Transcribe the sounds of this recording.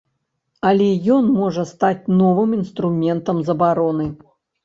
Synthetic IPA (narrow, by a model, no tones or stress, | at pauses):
ɐlʲɛjɔnmɔʐɐst̪at͡sʲnɔvɨminst̪ɾumʲɛnt̪ɐmzɐbaɾɔnɨ